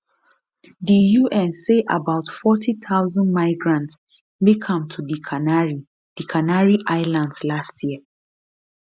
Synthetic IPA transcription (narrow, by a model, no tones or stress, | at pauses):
dijuʔɛ̃nseʔa̰baʊtfɔtʰitʰaʊzə̃nmaɪɡɹãnts | mekʰʌ̃mtʰudikʰanaɹi | d̥ikʰanaɹiʔaɪlãndslastʰjiə